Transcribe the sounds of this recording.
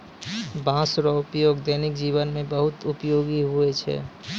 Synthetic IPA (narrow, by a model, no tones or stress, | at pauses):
bãːsɾɔʊpjoːɡd̪ɛːnɪkd͡ʒiːʋənmẽbəɦʊt̪ʊpjoːɡiɦʊet͡ʃʰɛ̰ː